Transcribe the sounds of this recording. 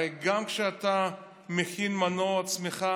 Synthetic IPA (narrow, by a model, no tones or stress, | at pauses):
eɡamkʃeat̪a | mexinmanoat͡smeχa